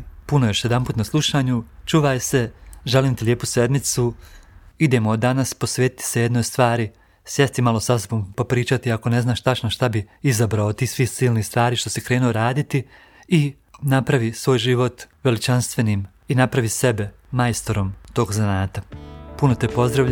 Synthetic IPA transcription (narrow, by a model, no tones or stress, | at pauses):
punojoʃjed̪ampuːt̪naslˠuʃaːɲut͡ʃuːʋajse̞ʒeliːmt̪elʲjeːpusʋed̪mit̪su | id̪e̞mod̪anasposʋeːt̪i̥t̪i̥sejed̪no̞jst̪ʋaːɾi | sjest̪imalˠosasobompopɾiːt͡ʃat̪iako̞ne̞znaːʃt̪at͡ʃnoʃt̪abiizabɾaot̪iːsʋihsiːlˠnist̪ʋaːɾiːʃt̪o̞sekɾe̞ːnuoɾaːd̪it̪i | i | napɾaʋisʋo̞ːjʒiʋo̞t̪ʋe̞lit͡ʃanst̪ʋe̞niːm | inapɾaʋise̞be̞ | majst̪oɾo̞mt̪o̞ːɡzanaːt̪apuno̞t̪epo̞zd̪ɾaʋʎ